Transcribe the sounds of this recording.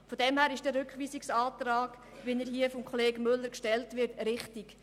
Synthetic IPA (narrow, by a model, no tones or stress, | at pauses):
fodɛmhæːɾɪʃd̥əɾʏkχʋiːsɪksaːtraːɡ̥ | ʋinəɾɦiəfɔmkʰχɔleːɡmʏlːəɾkʃtɛltʋɪɾtɾɪχtɪk